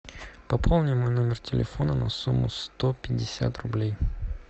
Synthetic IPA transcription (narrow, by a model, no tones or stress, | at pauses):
pɐpʰolˠnʲɪmʊjno̞mʲɪrtʲɪlʲɪ̰fonənɐ̰sumːʊ̰st̪opʲɪdʲːɪsʲa̰t̪rʊblʲej